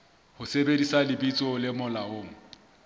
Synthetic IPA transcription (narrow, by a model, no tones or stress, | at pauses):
hʊsebedisalɪbit͡sʼʊlɪmʊlaoːŋ̩